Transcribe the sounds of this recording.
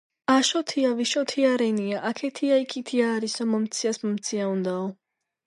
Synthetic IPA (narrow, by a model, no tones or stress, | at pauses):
aʃɔt̪ʰiaviʃɔt̪ʰiaɾɛniaʔakʰɛt̪ʰiaikʰit̪ʰiaːɾisɔmɔmt̪sʰiasmɔmt̪sʰiaund̪aɔ